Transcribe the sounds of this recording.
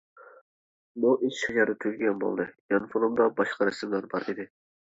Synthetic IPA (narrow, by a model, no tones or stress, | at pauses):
muʔiʃʃed͡ʒɑɾd̪ɨt̪ʰyzʲɡʲɡʲɛnbo̰lˠd̪ɨjɑnfonumd̪ɑbɑʃqɑɾɛsɪmlæɾbɑɾid̪ɪ